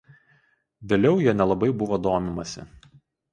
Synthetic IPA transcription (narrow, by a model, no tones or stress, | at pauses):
ʋʲeːlʲɛʊjiɛnʲɛlˠɐbɐɪbʊʋoːd̪oːmʲɪmɐsʲɪ̰